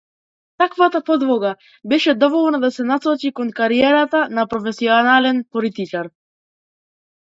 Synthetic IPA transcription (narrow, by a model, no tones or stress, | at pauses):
t̪akvat̪apɔd̪vɔɡa | bɛʃɛd̪ɔvɔlˠnad̪asɛnasɔt͡ʃikɔnkaɾiɛɾat̪anapɾɔfɛsiɔnalɛnpɔlit̪it͡ʃaɾ